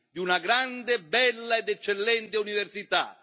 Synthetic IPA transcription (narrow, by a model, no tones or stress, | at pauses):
d̪iunaɡɾand̪ebːɛlːaed̪ɛt͡ʃːelːɛnt̪euniversit̪a̰